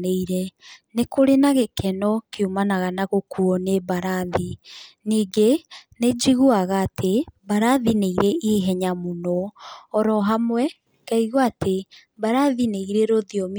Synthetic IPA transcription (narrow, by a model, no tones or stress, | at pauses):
neiɾɛnekoɾenaɣekɛnɔkeumanaɣanaɣokuɔnebaɾaðiniːɡened͡ʒiɣuaɣaːtʰebaɾaðineiɾeʔiɦɛɲamonɔːɾɔɦamwɛ | kaiɣwatʰe | baɾaðineiɾeɾoðiɔm